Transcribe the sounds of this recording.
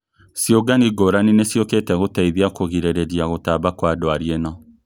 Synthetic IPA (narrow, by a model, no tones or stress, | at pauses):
sjoɡaniɡoɾaninesjoketɛɣotaiðjakoɣiɾeɾeɾjaɣotaβakwadwaɾienɔ